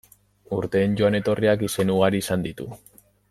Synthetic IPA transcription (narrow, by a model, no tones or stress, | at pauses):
uɾt̪e̞ːnɟo̞ane̞t̪o̞riakise̞nuɣ̞aɾiːsand̪it̪ṵ